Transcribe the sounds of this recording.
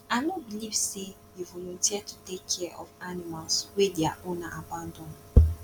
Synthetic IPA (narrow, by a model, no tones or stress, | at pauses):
anobilivse | juvɔlɔ̃ntiatʰutekʰːɛʔɔ̰vanimalswedeaʔõnaʔabãndɔ̃n